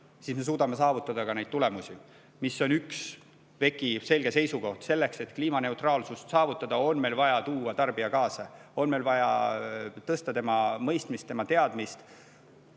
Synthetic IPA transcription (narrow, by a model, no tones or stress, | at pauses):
sisme̞s̬uːd̪ɑme̞sɑːvut̪ːˑɑd̪̥ɑkɑnejd̪̥̚t̪ule̞musʲi | misːo̞nyks | ve̞kːˑise̞lɡ̥e̞se̞jsuko̞ht̪se̞lːe̞kse̞t̪kliːmɑne̞uwt̪rɑːlsust̪sɑːvut̪ːˑɑd̪̥ɑo̞nme̞jlvɑjɑt̪uːɑt̪ɑrb̥iɑkɑːsɑo̞nme̞jlvɑjɑ̰ | t̪ɤst̪ɑt̪emɑmɤjst̪mist̪ːe̞mɑt̪e̞ɑd̪̥mist̪